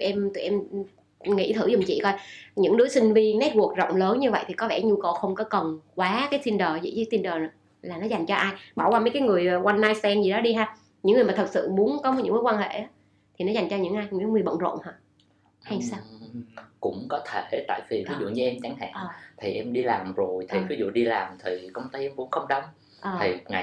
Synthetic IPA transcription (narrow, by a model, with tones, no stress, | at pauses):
ʔɛ˧mt̪ɨ˨˩ʔɛ˧m | ŋḭ˧˥t̪ʰɨ˧˩zʊ˨˩ŋ͡mt͡ɕḭ˧˨kɔ˧jɲɨ̰˧˥ŋɗɨ˨˦sï˧ŋ̟vi˧nɛ˦˥t̚wu˨˩ək̚zə̰˧˨wŋ͡mləː˨˦nɲɨ˧və̰˧˨jt̪ʰi˨˩kɔ˨˦vɛ˧˩ɲu˧kə˨˩wxə˧wŋ͡mkɔ˨˦kə˨˩nkwaː˨˦kaː˨˦jt̪i˧nɗəː˨˩zḭ˧˨˩t͡ɕi˨˦t̪i˧nɗəː˨˩˨ | laː˨˩nɔ˨˦za˨˩jŋ̟t͡ɕɔ˧ʔaː˧jɓaː˧˩wkwaː˧mə˨˦kaː˨˦jŋɨ˨˩əjwa˧nːaː˧jst̪ɛ˧nzi˨˩ɗɔ˨˦ɗi˧ɦaː˧ | ɲɨ̰˧˥ŋɨ˨˩maː˨˩t̪ʰə˨˩t̚sɨ̰˧˨mu˨˦ənkɔ˨˦m˨˦ɲɨ̰˧˥ŋməː˨˦jkwaː˧nhḛ˧˨aː˨˦ | t̪ʰi˨˩nɔ˨˦za˨˩jŋ̟t͡ɕɔ˧ɲɨ̰˧˥ŋʔaː˧jɲ˧˩kaː˨˦jŋɨ˨˩əjɓə̰˧˨nzo̰˧˨nhaː˧˩ | ha˧jsaː˧ | kʊ̰˧˥ŋ͡mkɔ˨˦t̪ʰe˧˩t̪a̰ː˧˨jvi˨˩vi˨˦zṵ˧˨ɲɨ˨˦ʔɛ˧mt͡ɕa˨˦ŋha̰ː˧˨˩t̪ʰi˨˩ʔɛ˧mɗi˧laː˨˩mzo˨˩jt̪ʰi˨˩vi˨˦zṵ˧˨ɗi˧laː˨˩mt̪ʰi˨˩kə˧wŋ͡mt̪ə˧˦ʔɛ˧mvu˨˦ənxə˧wŋ͡mɗə˧wŋ͡m | ʔəː˨˩i˨˩ŋa̰˨